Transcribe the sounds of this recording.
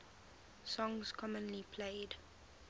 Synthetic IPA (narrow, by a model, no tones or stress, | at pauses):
sɔ̃ŋz̥kʰɔmə̃nlipʰleɪd